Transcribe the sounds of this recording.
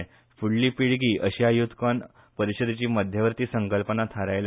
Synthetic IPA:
fuɽliːpiɭɡiːʔəɕajud̪ʱkan | pəɾiɕəd̪et͡ɕiːməd̪ʱjəʋəɾt̪iːsəŋkəlpənat̪ʰaɾajl

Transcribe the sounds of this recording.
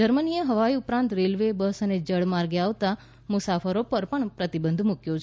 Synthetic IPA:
d͡ʒəɾmənijəɦəʋaiupɾãnt̪ɾelʋebəsəned͡ʒəɽmaɾɡeaʋt̪a | mʊsafəɾopəɾpəɳpɾət̪ibənd̪ʱmukjot͡ʃʰ

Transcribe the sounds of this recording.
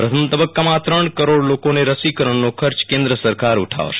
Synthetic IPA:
pɾət̪ʰəmt̪əbəkːamãt̪ɾəɳkəɾoɽlokoneɾəsikəɾəɳnokʰəɾt͡ʃkẽnd̪ɾəsəɾkaɾuʈʰa̰ʋo̰ʃe̥

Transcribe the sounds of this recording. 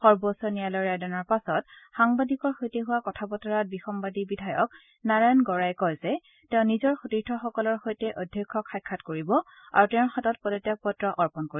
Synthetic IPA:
xɔɹbɔsɔnijalɔɹadɔnɔɹpasɔtxaŋbadikɔɹxojtɛɦʊwakɔtʰapɔtɔɹat̚bixɔmbadibidʱajɔk̚ | naɹajnɡɔɹajkɔjzɛ | tɛʊ̃nizɔɹxotiɹtʰɔxɔkɔlɔɹxojtɛʔodʱjɔkʰːɔkʰajkʰːatkoɹibɔ | a̰ɹutɛʊ̃xatɔt̚pɔdɔtjak̚pɔtɹɔʔɔɹpɔnkoɹi

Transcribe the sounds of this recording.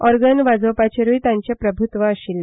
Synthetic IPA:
ɔɾɡənʋad͡zəwpat͡ɕeɾujt̪ãɲt͡ɕjapɾəbʱut̪ʋəəɕilː

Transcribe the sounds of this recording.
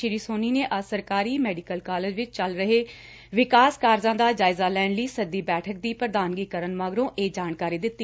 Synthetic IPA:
ɪɾiːsoːniːneːʔəsəɾkaːɾiːmɛːɖɪkəlkaːleːd͡ʒʋɪt͡ʃt͡ʃəlɾəɦeː | ʋɪkaːskaːɾzãːd̪aːd͡ʒaːɪzaːlɛːɳləiːsəd̪iːbɛːʈʰək̚d̪iːpɾəd̪aːnɡiːkəɾənmaːɡɾõːʔeːd͡ʒaːnkaːɾiːd̪ɪt̪ːiː

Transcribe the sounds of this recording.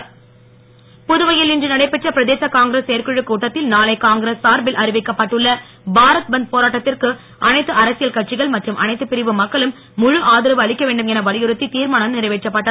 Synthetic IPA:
pʊðɯʋɐjɪlɪndrɯnɐɽɐɪpːɛʈrɐpɪɾɐðeːsɐkaːŋɡɪɾɐseːɾkɯɻɯkuːʈːɐt̪ːɪlnaːlɐɪkaːŋɡɪɾɐsːaːɾbɪlʔɐɾɪʋɪkːɐpːɐʈːɯɭːɐ | bʱaːɾɐt̪̚bɐnd̪̚poːɾaːʈːɐt̪ːɪrkɯ | ʔɐnɐɪt̪ːɯɐɾɐsɪjɐlkɐʈt͡ʃɪɣɐɭmɐʈrɯmʔɐ̰nɐɪt̪ːɯpːɪɾɪʋɯmɐkːɐɭɯmː | ʊɻɯʔaːðɪɾɐʋɯɐɭɪkːɐʋeːɳɖɯmɛnɐʋɐɭɪjɯɾɯt̪ːit̪iːɾmaːɳɐmnɪɾɐɪʋeːʈrɐpːɐʈːɐ

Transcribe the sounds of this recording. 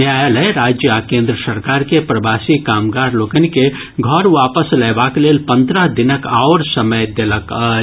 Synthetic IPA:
ajələjɾaːd͡ʒjəakẽːnd̪ɾəsəɾkaːɾkepɾəbasikaːmɡaɾlokənike | ɡʱɔɾʋapəsləːbaklelpə̃nd̪ɾəɦd̪inəkaʊɾsəməjd̪elək

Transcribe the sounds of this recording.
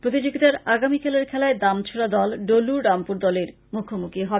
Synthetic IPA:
pɾot̪id͡ʑoɡit̪aɾaɡamikʰɛleɾkʰɛlaed̪amt͡ɕʰoɽad̪ɔlɖoluɖampuɾd̪ɔleɾ | mukʰomukiɦɔbe

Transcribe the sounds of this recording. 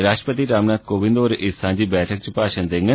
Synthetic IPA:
ɾaːʃʈɾəpət̪iːɾaːmnaːd̪̚koːʋɪ̃nd̪oːɾɪsãːɲd͡ʒiːbɛːʈʰək̚t͡ʃupaːʃənd̪ẽŋɡə

